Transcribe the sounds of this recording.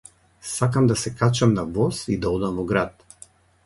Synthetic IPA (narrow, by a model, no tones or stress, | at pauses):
sakamd̪asɛkat͡ʃamnavɔsid̪aɔd̪amvɔɡɾat̪̚